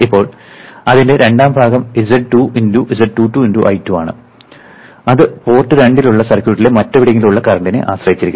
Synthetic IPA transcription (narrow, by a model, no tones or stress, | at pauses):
ipːo̞ːɭɐðinde̞ɾʔe̞ɳɖaːmbʱaːɣɐmizɐɖʈːuːʔinduʔizɐɖʈːuːʈːuːinduʔɐ̰jtːuaːɳɨ̰ | ɐðɨpo̞ːrʈːɨɾeɳɖiluɭːɐsɐrkʲjuːʈːile̞mɐtːɐʋiɽiŋːiluɭːɐkɐrɐɳɖinɨ̰ʔa̰ːɕrɐjit͡ɕːiɾikʲːm